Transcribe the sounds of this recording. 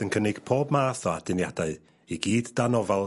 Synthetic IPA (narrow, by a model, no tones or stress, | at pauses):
ənkʰənɪɡ̥pʰoːbmaːθɔad̥ɪnjadaɨ | iɡiːdd̥anɔvalˠ